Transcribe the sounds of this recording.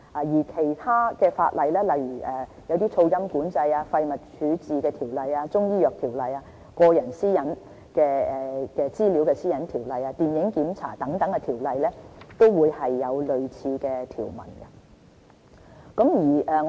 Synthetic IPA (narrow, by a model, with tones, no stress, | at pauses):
ʔa˨jiː˨˩kʰe˨˩jt̪ʰaː˥kɛː˧fa̰ː˧t̚lɐ˨jlɛː˥lɐ˨jɥyː˨˩ʔɛː˨˩jɐ˨˧wt̪iː˥t͡sʰo˧wjɐ˥mkuː˨˥nt͡sɐ˧jaː˧fɐ˧jmɐ˨t̚t͡ʃʰyː˨˥t͡siː˨kɛː˧t̪ʰiː˨˩wlɐ˨jaː˧t͡sʊ˥ŋjiː˥jœː˨k̚t̪ʰiː˨˩wlɐ˨jaː˧ | kɔː˧jɐ˨˩nsiː˥jɐ˨˥n | kɛː˧ɛː˨kɛː˧t͡siː˥li˨˥wkɛː˧siː˥jɐ˨˥nt̪ʰiː˨˩wlɐ˨jaː˧t̪iː˨˩njɪ˨˥ŋkiː˨˧˥mt͡sʰa̰ː˨˩t̪ɐ˨˥ŋt̪ɐ˨˥ŋkɛː˧t̪ʰiː˨˩wlɐ˨jlɛː˥t̪o˥wwuː˨˧jhɐ˨jːɐ˨˧wlɵ˨ɥt͡sʰiː˧kɛː˧t̪ʰḭː˨˩wmɐ̰˨˩nɡɐ˧ | kɐ˨˥mjiː˨˩ʔɛː˨ŋ